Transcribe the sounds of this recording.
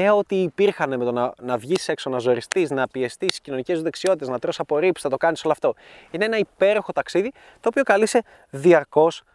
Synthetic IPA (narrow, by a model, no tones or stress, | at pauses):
eo̞t̪iːpiɾxɐneme̞t̪onɐnɐvʝise̞kso̞nɐzo̞ɾist̪isnɐpie̞st̪iscino̞nice̞zuðe̞ksio̞t̪it̪eznɐt̪ɾo̞sɐpo̞ɾipsi̥nɐt̪o̞kɐnisoloɐft̪o̞ | ineenɐipe̞ɾo̞xo̞t̪ɐksiði | t̪o̞ːpiokɐlise̞ | ðiɐɾko̞s